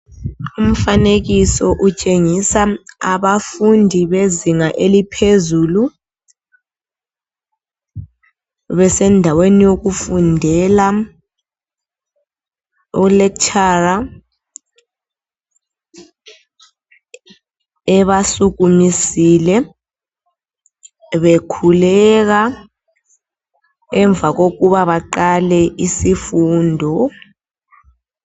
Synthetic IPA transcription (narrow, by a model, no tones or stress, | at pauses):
um̩faneɣisɔʔut͡ʃʼeŋisaaβafundʱiβeziŋaʔelipʰezulu | βɛsɛndʱawenijoɣufundʱɛla | ɔlɛkt͡ʃʰʼara | ɛβasuɣumisilɛ | βekʰulɛk̬a | ɛɱb̪vʱaɣokuβaβaǃalɛʔisifuːndʱɔ